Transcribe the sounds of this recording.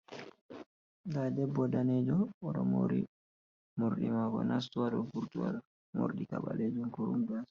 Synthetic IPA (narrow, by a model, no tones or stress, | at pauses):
ɡadɛbːɔdanɛd͡ʒɔɔɗɔmo̰ɾḭ | moɾɗimaːɡɔ̰nas̬tuwaɗɔɡuɾtuwa̰ɗɔ | mo̰ɾɗikaɓaled͡ʒumkuɾṵmbas